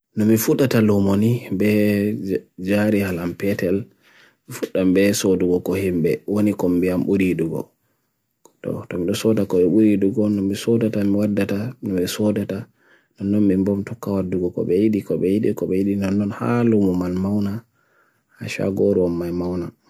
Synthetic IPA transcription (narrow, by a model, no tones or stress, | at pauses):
nɔmifuɗatalumonibɛ | d͡ʒaɾihalampɛtɛl | mifuɗːambɛsoduɡɔkɔhimbɛwonikɔmbiamɓuɾiduɡɔ̰ | tɔ̰tɔmiɗɔsɔdakɔɓɛɓuɾiduɡɔnɔmisɔdatamiwadːatanɔɓɛsɔdata | nɔnːɔmimbɔmtɔkːawadːuɡɔkɔ̰ɓɛjiɗikɔɓɛjiɗikɔɓɛjiɗinɔnːɔnha̰lumumalmawna | haʃa̰ɡoɾɔmːajmawna